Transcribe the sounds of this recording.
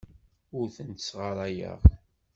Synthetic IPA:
ʊɾθənt̪əsʁəɾˤæjə̰ʁ

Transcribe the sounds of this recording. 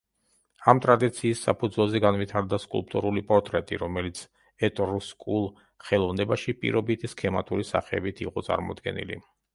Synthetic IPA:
amt̪ʼɾad̪it̪sʰiːsːa̰pʰud̪zwɛlˠzɛɡanvit̪ʰaɾd̪askʼṵlˠp̚ʼt̪ʼuɾulipʼɔɾt̪ʼɾɛt̪ʼḭɾɔmɛlit̪sʰ | ɛt̪ʼɾuskʼulˠ | χɛlˠɔvnɛbaʃipʼḭɾɔbit̪ʰiskʰɛmat̪ʼuɾisa̰χɛːbit̪ʰiqʼɔt̪sʼa̰ɾmɔ̰d̪ɡɛ̰nḭlḭ

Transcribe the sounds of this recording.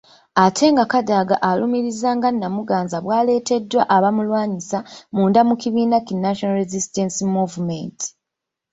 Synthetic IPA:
atʰe̞ŋɡakadaɡaʔalumiɾizaːŋɡanːamuɡaːnzaβwaːle̞ːte̞dːwa̰ʔaβamulwaːɲisamuːndamukiβiːnakinaʃonaɾezistensimuvumenti̥

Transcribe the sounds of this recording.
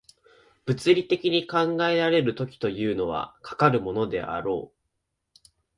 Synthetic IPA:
b̥ɯ̟t͡sɨɾʲit̪e̞kʲiɲ̟ikãŋɡae̞ɾaɾe̞ɾɯ̟t̪o̞kʲi̥t̪o̞jɯ̟ːno̞βa̰kʰḁkaɾɯ̟mo̞no̞d̪e̞̰a̰ɾo̞̰ː

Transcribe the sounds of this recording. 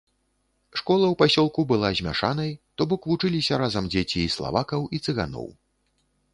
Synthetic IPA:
ʂkɔlˠɐwpasʲɔlˠkubɨlˠazʲmʲa̰ʂanɐjt̪ɔbɔkvut͡ʂɨlʲisʲɐɾazɐmd͡zʲet͡sʲiːslˠa̰vakɐwit̪sɨɣa̰nɔ̰w

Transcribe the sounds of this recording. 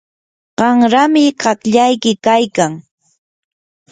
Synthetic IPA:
ɢ̥ɑŋɾamɪɢɑkʎajkɪkajkaŋ

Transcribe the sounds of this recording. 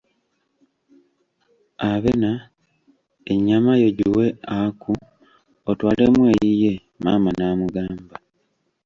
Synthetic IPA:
aβe̞na | eɲːamajo̞ɟiwe̞aku | otwaːle̞mweːjije | maːmanaːmuɡaːmba

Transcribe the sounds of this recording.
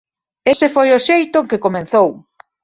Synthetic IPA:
esɪfojʊʃejt̪ʊkɪkomẽn̟θow

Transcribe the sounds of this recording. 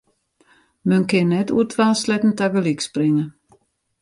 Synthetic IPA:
møŋkenɛtṵtvaːslɛt̪n̩t̪ʰaɡəlikspɾɪŋə

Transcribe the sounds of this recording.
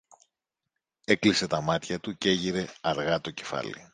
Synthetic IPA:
e̞klise̞t̪ɐmɐt̪çɐt̪uce̞ʝiɾe̞ɐɾɣɐt̪o̞ce̞̥fɐ̰lḭ

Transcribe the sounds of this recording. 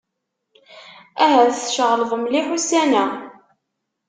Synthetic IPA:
æɦæθʃəʁləðˤəmliħusænæ

